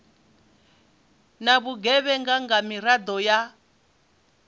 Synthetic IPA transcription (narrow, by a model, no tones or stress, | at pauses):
naβuɡɛβɛŋɡaŋɡamiɾad̪ɔja